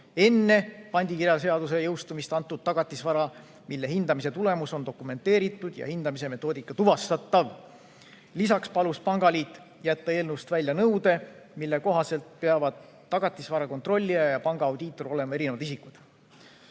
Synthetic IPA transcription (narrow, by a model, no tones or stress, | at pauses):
e̞nːe̞pɑnʲd̪̥ʲikirjɑse̞ɑd̪us̬e̞jɤwst̪umist̪ɑnt̪ˑːud̪̥̚t̪ːɑɡ̥ɑt̪ʲːˑisvɑɾɑ | milːe̞hind̪̥ɑmise̞t̪ule̞muso̞nd̪o̞kume̞nt̪ːˑe̞ːɾit̪ːˑud̪̥jɑ̰hind̪ɑmise̞me̞t̪ːˑo̞ːd̪ikːˑɑt̪uvɑst̪ɑt̪ːˑɑv | lisɑkspɑluspɑŋɡ̥ɑliːt̪ːˑ | jæt̪ːɑe̞ːlnuwst̪vælʲːjɑnɤwd̪e̞ | milːe̞ko̞ɦɑse̞lt̪̚pe̞ɑvɑd̪̥ | t̪ːɑɡ̥ɑt̪ːˑisvɑɾɑko̞nt̪ro̞lʲːijɑjɑpɑŋɡ̥ɑːwd̪̥iːt̪ːˑo̞ɾo̞le̞mɑe̞ɾine̞vɑd̪isikˑud̪̥